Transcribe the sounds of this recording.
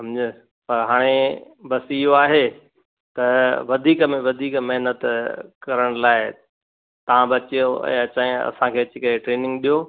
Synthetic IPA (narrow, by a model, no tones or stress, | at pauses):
sɐmd͡ʑə | pɐɾɦaːɽ̃e | bɐsɪɦoaːɦe | t̪ɐʋɐd̪ʱiːkəmẽʋɐd̪ʱiːkmɐɦnət̪kɐɾəɽ̃laːɪ | t̪ɐʋ̤ãbɐt͡ɕijoɛ̰̃ːɐt͡ɕaːjɐ̰sãkʰeːɐt͡ɕɪkɐeʈɾeːnɪ̃ŋɡɗijo